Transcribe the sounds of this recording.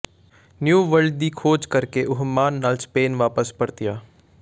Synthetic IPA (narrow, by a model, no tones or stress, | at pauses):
njuːʋəɾɖ̚d̪iːkʰoːd͡ʒkəɾkeʔʊɦmaːnːaːlspeːnʋaːpəspəɽt̪ɪjaː